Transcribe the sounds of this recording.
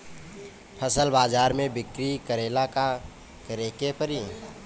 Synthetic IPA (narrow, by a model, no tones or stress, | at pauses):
pʰəsəlbaːd͡ʒaːɾmẽbɪkɾikəɾeːlaka | kəɾekepəɾi